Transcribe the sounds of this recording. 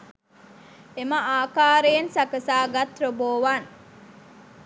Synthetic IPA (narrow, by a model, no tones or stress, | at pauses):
emɐaːkaːɾeːnsɐkəsaːɡɐt̪ɾoboːʋan